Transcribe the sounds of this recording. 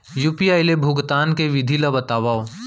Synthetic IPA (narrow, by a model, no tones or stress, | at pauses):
juːpijaːɪlebʱʊɡt̪aːnkeʋɪd̪ʱilabɐt̪aːʋaːo